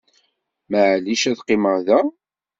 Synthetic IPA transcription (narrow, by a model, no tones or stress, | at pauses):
məʕliʃæðqːɪməʁðæ